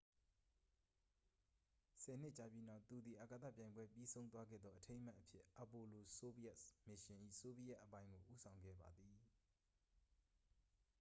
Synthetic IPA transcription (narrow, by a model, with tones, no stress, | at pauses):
sɛ˨n̥ɪ˦ʔt͡ɕa˨pji˦na˦˨ʊt̪ːu˨d̪ði˨ʔa˨ka˨t̪a̰˦˨pjã˨ɪ̃mbwɛ˦pji˦sʰõ˦ʊ̃nt̪wa˦ɡɛ̰˦˨d̪ðɔ˦ʔətʰẽ˦ɪ̃ma˦ʔəpʰjɪ˦ʔa˨po˨lo˨so˦bi˦a˦ʔmɪ˨ʃɪ̃˨ʔḭ˦˨so˦bi˦a˦ʔːəpã˦ɪ̃ŋɡo˨ʔu˦sʰã˨ʊ̃ŋɡɛ̰˦˨ba̰˨d̪ði˨